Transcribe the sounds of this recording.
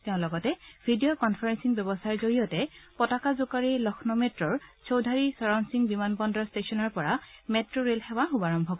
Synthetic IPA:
tɛʊ̃lɔɡɔtɛbʱidijokɔnpʰaɹɛnsiŋbjɛbɔsaɹzoɹijɔtɛpɔtakazʊkaɹilɔxʰnɔmetɹɔɹsowdʱaɹisɔɹɔnsiŋbimanbɔndɹɔstesɔnɔɹpɔɹametɹoɹelxɛbaxubaɹɔmbʱɔkɔ

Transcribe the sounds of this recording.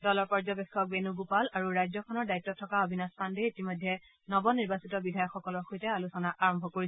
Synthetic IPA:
dɔlɔɹpɔɹzɔbekʰːɔk̚benuɡupalaɹuɹajzɔkʰɔnɔɹdajtːɔtʰːɔkaobʱinɔstʰandeitimɔjdʱːɛ | nɔbɔniɹbasitɔbidʱajɔkxɔkɔlɔɹxojtɛalusɔnaʔaɹɔmbʱɔkoɹisɛ

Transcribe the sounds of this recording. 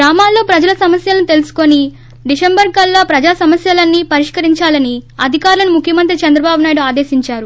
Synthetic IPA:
ɡɾaːmaːlːo̞ːpɾɐd͡ʒɐlɐsɐmɐsjɐlɐnut̪e̞lusu̥ko̞ni | ɖisembɐɾkɐlːaːpɾɐd͡ʒaːsɐmɐsjɐlɐnːipɐɾiʂkɐɾiɲt͡ʃaːlɐniɐd̪ʱikaːɾlɐnumukʰjɐmɐnt̪ɾit͡ʃɐnd̪ɾɐbaːbunaːjiɽuaːd̪e̞ːsiɲt͡ʃaːɾu

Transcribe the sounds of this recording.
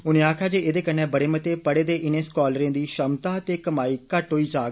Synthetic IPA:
ʊnẽːaːkʰaːd͡ʒeːeːd̪eːkənːɛ̃ːbəɽeːmət̪eːpəɽeːd̪eːʔɪnẽːskɔːlɾẽːd̪iːʃəmt̪aːt̪eːkəmaːiːkəʈɦoːiːd͡ʒaːɡ

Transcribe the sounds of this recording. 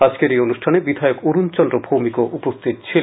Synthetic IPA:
ad͡ʑkeɾejonuʃʈʰanebid̪ʱajokuɾunt͡ɕɔnd̪ɾobʱumikoʔupost̪ʰit̪t͡ɕʰil

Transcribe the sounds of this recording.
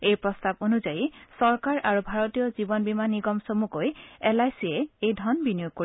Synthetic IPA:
ejpɹɔstabonuzajisɔɹkaɹʔaɹubʱaɹɔtijɔzibɔnbimaniɡɔmsomukojɛlajsiɛejdʱɔnbinijuɡ̚ko

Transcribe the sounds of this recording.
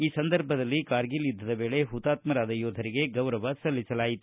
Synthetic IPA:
iːsɐnd̪ɐɾbʱɐd̪ɐlːikaːɾɡilid̪ʱːɐd̪ɐbe̞ːɭe̞ɦut̪aːt̪mɐɾaːd̪ɐjɔːd̪ʱɐɾiɡe̞ɡɐwɾɐʋɐsɐlːisɐlaːjit̪u

